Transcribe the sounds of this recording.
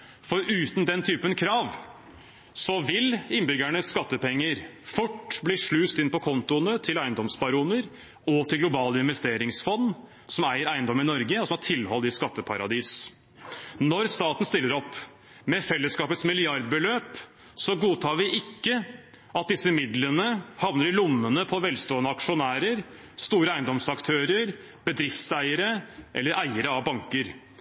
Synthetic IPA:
fɔɾʉːt̪n̩d̪ɛnt̪ʰyːpənkʰɾɑːʋ | sɔʋɪlɪnbʏɡæɳəsːkɑt̪ːəpɛŋːəɾfʊʈːbliːʂɭʉːst̪ɪnpɔkʰɔnt̪ʊənət̪ʰɪlæɪənd̪ɔmsbɑɾuːnəɾ | ɔt̪ʰɪlɡlʊbɑːləɪnʋɛst̪eːɾɪŋsfɔnː | sɔmæɪəɾæɪnd̪ɔmɪnɔɾɡəɔsɔmɑʈʰɪlːhɔlːɪskɑt̪ːəpʰɑɾɑd̪iːs | nɔɾst̪ɑːt̪n̩st̪ɪlːəɾɔpː | mɛfɛlːəskɑːpət̪smɪlɪɑɾd̪bəløːp | sɔɡuːt̪ʰɑːɾʋɪʔɪkːə | ɑt̪̚d̪ɪsːəmɪd̪lənəhɑʋnəɾɪlʊmːənəpʰɔʋɛlst̪oːənəɑkʂʊnæːɾəɾ | st̪uːɾəæɪnd̪ɔmsɑkt̪ʰøːɾəɾ | b̥əd̪ɾɪft̪sæɪəɾəʔɛ̰lːəɾʔæɪəɾəɑʋbɑŋkəɾ

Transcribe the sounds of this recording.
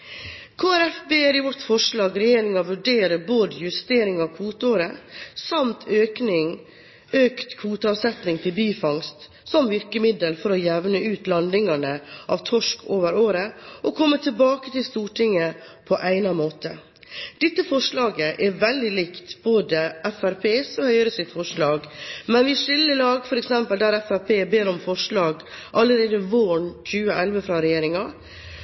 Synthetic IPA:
kʰɑːæɾɛfbeːɾɪʋɔʈːfɔʂɭɑːɡɾɛjeːɾɪŋɑʋʉɖeːɾəboːd̪əjʉst̪eːɾɪŋɑʋkʰʋuːt̪əoːɾəsɑmt̪ʰøːknɪŋ | øːkt̪kʰʋuːt̪əɑʋsɛt̪nɪŋt̪ʰɪlbyːfɑŋst̪ | sɔmʋɪɾkəmɪd̪əlfɔɾɔjɛʋnəʔʉːt̪lɑnd̪ɪŋɑnəʔɑ̰ʋt̪ʰɔʂkʰoːʋəɾoːɾəʔɔkʰɔmːət̪ʰɪlbɑːkət̪ʰɪlst̪uːʈʰɪŋːə | pʰɔʔæɪnɑmoːt̪ə̰ | d̪̥ɛt̪ːəfɔʂɭɑːɡəʔɛɾʋɛld̪ɪlɪkt̪boːd̪əʔɛfæɾpʰeːsɔhœʏɾəsɪt̪fɔʂɭɑːɡmɛnʋɪʂɪlːəlɑːɡfɔɾɛksɛmpəld̪æɾɛfæɾpeːbeːɾɔmfɔʂɭɑːɡ | ʔɑlːəɾeːd̪əʋoːɳçʉːəʔɛlʋəfɾɑɾɛjeːɾɪŋɑ

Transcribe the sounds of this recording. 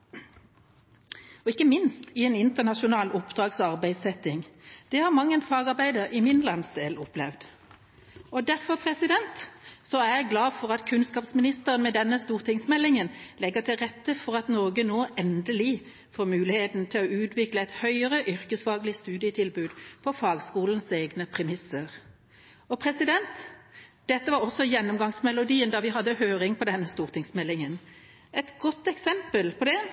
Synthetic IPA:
ɔɪkːəmɪnst̪ɪɛːnɪnt̪əʁnɑʃʊnɑːlʊpd̪ʁɑːɡsɑʁbæɪsɛt̪ːɪŋd̪̥ɛhɑʁmɑŋːənfɑːɡɑʁbæɪd̪əɾɪmɪnlɑnsd̪eːlɔplɛʋd̪ | ɔd̪æʁfɔʁpʰʁɛsɪd̪ɛnt̪sɔæʁjæɡlɑːfɔʁɑt̪kʰʉnskɑːpsmɪnɪst̪əʁənmɛd̪ɛnːəst̪uːʁt̪ʰɪŋsmɛlːɪŋənlɛɡət̪ʰɪlʁɛt̪ːəfɔʁɑt̪nɔːɡənoːʔɛnd̪əlɪ | foːʁmʉːlɪheːt̪nt̪ʰɪlɔʉːt̪ʰʋɪkləæɪt̪hœʏəʁəʔʏɾkəsfɑːɡlɪst̪ʉːd̪ɪət̪ʰɪlbʉːd̪pʰɔfɑːɡskuːln̩seːɡnəpʰʁɛmɪsːəʁ | ɔpʰʁɛsɪd̪ɛnt̪d̪̥ɛt̪ːəʋɑɾɔsːɔjɛnːɔmɡɑŋsmɛlʊd̪iːənd̪ɑʋɪɦɑd̪ːəhøːɾɪŋpʰɔd̪ɛnːəst̪uːʁt̪ʰɪŋsmɛlːɪŋən | ɛt̪ɡɔt̪ːɛksɛmpəlpʰɔd̪ɛ

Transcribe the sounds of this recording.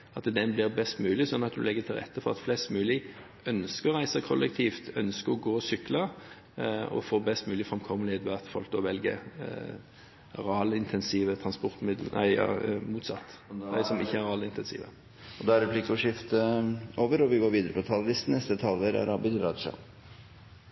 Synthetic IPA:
ɑt̪d̪ɛnblɪʁbɛst̪mʉːlɪsɔnːɑt̪d̪ʉ̰lɛɡːət̪ʰɪlʁɛ̰t̪ʰːəfɔʁɑt̪flɛst̪mʉːlɪ | œnskəɾɔʁæɪsəkʰɔlːɛk̚t̪ʰiːft̪œnskəɾɔɡoːɔsʏklɑ | ɔ̰foːbɛst̪mʉːlɪfʁɑmkʰɔmːəlɪeːt̪ʋɛɑt̪fɔ̰lk̚d̪ɔːʋɛlɡə̰ | ʁɑːləɪnt̪ʰɛnsiːʋət̪ʰɾɑnspɔɾt̪mɪd̪l̩ʔæ̰ɪɑ̰muːt̪sɑt̪ːd̪æɪsɔmɪçːəæɾʁɑːləɪnt̪ɛnsḭːʋə̰ | ɔd̪ɑæɾɛpʰlɪkəɔʂɪft̪əoːʋəɾɔʋɪɡoːɾʋiːd̪əɾəpʰɔt̪ʰɑllɪst̪n̩ɛst̪ət̪ʰɑlʋəɾæ̰ɾɑbɪlɾɑːʂɑ̰

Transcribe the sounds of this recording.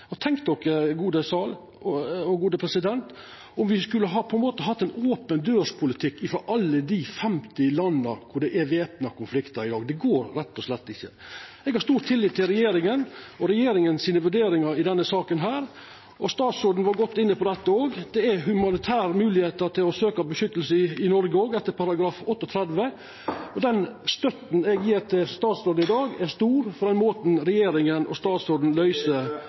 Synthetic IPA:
ɑt̪ʰɛŋkt̪ɔkːəɡuːd̪əsɑːl | ɔɔɡuːd̪əpʰɾɛsɪd̪ɛnt̪ | ɔmʋɪskʉlːəɦɑpʰɔɛnmoːt̪əɦɑt̪ːɛɪnoːpənd̪øːʂpʰʊlɪt̪ʰɪkːɪfɾɔɾʔɑlːəd̪ifɛmt̪ɪlɑnːəɾkʰʊɖɛʔɛʋeːpnɑkʰʊnflɪkt̪əɾɪd̪ɑːɡd̪ɛɡoːɾɾɛt̪ːɔsʂlɛt̪ːɪçːə | ɛɡhɑɾʂt̪uːɾt̪ʰɪlːɪːt̪ːɪlɾɛjeːɾɪŋənɔɾɛjeːɾɪŋənsiːnəʋʉɖeːɾɪŋɑɾɪd̪ɛnːəsɑːkənɦæːɾ | ʔɔst̪ɑːt̪sɔd̪n̩ʋɑɾɡɔt̪ːɪnːəpʰɔd̪ɛt̪ːəoːɡd̪̥ɛæɦʉmɑnɪt̪ʰæːɾəmʉːlɪheːt̪əɾt̪ʰɪlɔsøːkɑbəʃʏt̪ːəlsəɪnɔɾɡəoːɡɛt̪ːəɾpʰɑɾɑɡɾɑːfɔt̪ːɔt̪ʰɾɛd̪ʋə | ɔd̪ɛnst̪œt̪n̩ɛɡjeːɾt̪ʰɪlst̪ɑːt̪sɔːd̩̪ɪd̪ɑːɡæst̪uːɾfɔɾd̪ɛnmoːt̪nɾɛjeːɾɪŋənʔɔ̰st̪ɑːt̪sɔd̪n̩lœʏsə

